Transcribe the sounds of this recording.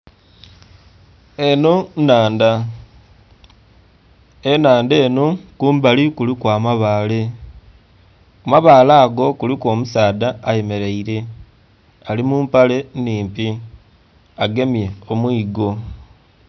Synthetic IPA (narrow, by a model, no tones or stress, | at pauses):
eno̞naːnda | enaːnde̞ːno̞kuːmbalikulikwaːmaβaːle̞ | omaβaːlaːɡo̞kuliko̞ːmusaːdaːje̞me̞ɾeiɾe̞ | alimuːmpale̞niːmpi | aɡe̞mje̞omwiːɡo̞